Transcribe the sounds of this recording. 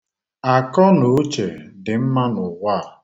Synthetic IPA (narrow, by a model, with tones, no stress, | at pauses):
a˨kɔ˦no˨˦t͡ʃe˨dɪ˨m̩˦ma˦nʊ˨wʷaː˦˨